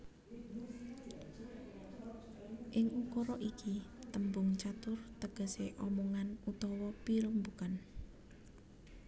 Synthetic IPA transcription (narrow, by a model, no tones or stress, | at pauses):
ʔɪŋukoɾɔʔikʰit̪əmbʊŋt͡ʃat̪ʊrt̪əɡ̥ə̤seʔɔmɔŋanut̪ɔwɔpiɾumbukan